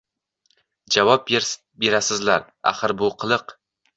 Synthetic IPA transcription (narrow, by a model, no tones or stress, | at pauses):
d͡ʒavɒp̚ | be̞ɾasɪzlaɾ | a̰χɨɾbʊqʰɨlˠɨq